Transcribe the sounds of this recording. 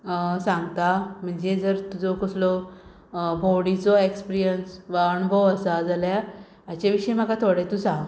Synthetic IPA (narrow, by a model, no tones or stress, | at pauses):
sãŋɡt̪am̤əɳd͡zed͡zəɾt̪ud͡zɔkəslɔ | bʱowɽit͡sɔekspiɾijənsʋaəɳubʱəwəsad͡zaljaː | t͡ɕaʋiɕəjm̤əkat̪ʰoɽet̪ũsãŋɡ